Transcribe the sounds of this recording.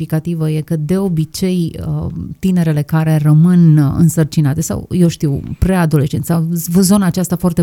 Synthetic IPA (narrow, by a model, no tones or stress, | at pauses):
ikat̪ivəje̞kəd̪e̞o̞bit͡ʃe̞j | t̪ine̞ɾe̞le̞kaɾe̞rəmɨnɨ̰nsərt͡ʃinat̪e̞sa̰wjewʃt̪iwpɾead̪o̞le̞ʃt͡ʃent̪sawvzo̞naːt͡ʃast̪afoart̪e